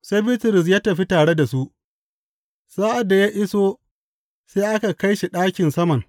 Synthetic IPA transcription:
se˦jbɪ˦tʊ˨ɾɪ˨s̬jaː˦tɐ˨ɸi˦taː˨ɽe˦da˨su˦ʔ | saː˦ʔa˨dːa˨jaː˦ʔɪ˦soː˦ | seː˦ʔa˦ka˨ka˦jʃi˨ɗaː˦kʲɪ˨nsɐ˦mɐ˨ŋ

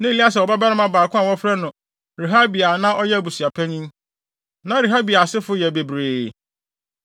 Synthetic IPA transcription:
nã˦i˨li˦a˦s̬ɛ˨wɔ˨ba˦ba˦ɾɪ˦mã˦baː˨kʰʊ̃˦a˨wɔ˦fɾa˦nʊ̃˨ | ɾe˨ɦa˦bi˨a˨nã˦ʔɔ˦jɛ˦˨bu˨si˨a˨pʰæ˦ɲĩ˦m | nã˦ɾe˨ɦa˦bi˨a˨sɪ˦fʊ˦jɛ˨be˨bɾeː˨

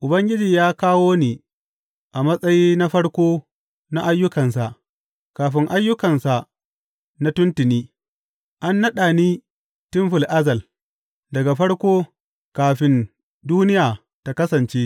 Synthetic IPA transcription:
ʔʊ˨bɐ˦ŋɡʲɪ˦d͡ʒiː˨jaː˦kaː˦woː˦neː˨ | ʔa˨mɐ˦sʼɐ˦jiː˦na˦ɸɐ˦ɽkʷoː˦ | na˦ʔa˦jːʊ˦kɐ˨nsa˨ʔ | kaː˨ɸɪ˦ŋʔa˦jːʊ˦kɐ˨nsa˨ʔ | na˦tʊ˦ntɪ˨niː˦ | ʔa˦nːɐ˦ɗaː˨niː˦ | tɪ˦mɸɪ˨lʔa˦zɐ˨l | dɐ˨ɡa˨ɸɐ˦ɽkʷoː˦ | kaː˨ɸɪ˦n | duː˦nɪ˦jaː˨ | ta˨kɐ˦sɐ˨nt͡ʃeː˦

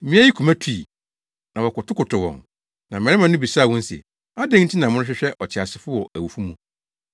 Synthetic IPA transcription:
mĩ˦æ˦ji˦kʰu˨mæ̃˦tʰu˦i˨ | nã˨wɔ˨kʊ˨tʰʊ˦kʰʊ˨tʰʊ˨wɔ̰̃˨ŋ | nã˨mɛ̃˨˦ɪ˦mã˨nʊ̃˦bi˨saː˦˨wɔ̃˦n̩˦sḭ˨ | a˦dɛ̃˦ŋ̩˦tʰĩ˦nã˨mʊ̃˦ʊ̃˦ɕᶣɪ˦ɕᶣɛ˦ʔɔ˨t͡ɕʰɪ˨a˨sɪ˨fʊ˦wɔ˨ʔæ˨wu˨fu˦mũ˨

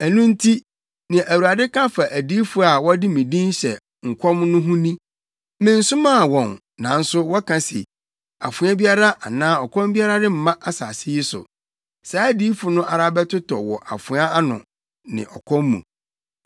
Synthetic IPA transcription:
æ˨nũ˦n̩˦tʰi˦ | nã˨ʔæ˨wu˨a˨dɪ˦kʰã˦fa˨ʔæ˨diː˦fʊ˦a˨wɔ˦dɪ˦mɪ̃˨dĩ˦nɕɛ˨ | ŋ̩˨kʰʷɔ˦mnʊ̃˦ɦũ˦nĩ˦ | mɪ̃˨n̩˨sʊ˦mã˦˨wɔ̃˨n | nã˨˦n̩˦sʊ˦wɔ˦kʰã˨sḛ˨ | a̰˨fʊ̃˨˦a˦bi˦a˦ɾa˦ʔa˨nãː˦ɔ˨kʰɔ̃˦mbi˦a˦ɾa˦dɪ˦m̩˨mã˦ʔa˦sa̰ː˨sɪ˦jɪ˦sʊ̰˨ | sa˨˦æ˦di˦fʊ˨nʊ̃˦ʔa˨ɾa˦bɛ˦tʰʊ˦tʰɔ̰˨wɔ˨ʔa̰˨fʊ̃˨˦a˦a˦nʊ̰̃˨ | nɪ̰̃˨ʔɔ˨kʰɔ̃˦mmːṵ̃˨

